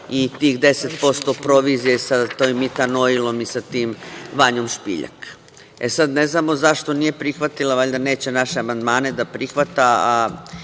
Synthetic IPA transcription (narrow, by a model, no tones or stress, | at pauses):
it̪iːxd̪e̞set̪po̞st̪o̞pɾo̞ʋizije̞sat̪oːjmːit̪ano̞ilo̞misat̪iːmʋaɲo̞mʃpḭʎa̰k | esad̪ne̞znaːmo̞zaʃt̪o̞nije̞pɾixʋat̪ilaʋaʎd̪ane̞ːt͡ɕe̞naʃeamand̪maːne̞d̪apɾixʋat̪aa